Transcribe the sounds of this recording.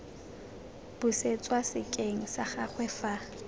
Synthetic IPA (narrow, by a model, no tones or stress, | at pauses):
b̥ʊset͡sʼwasɪkʼeŋ̩saχaχwɛfa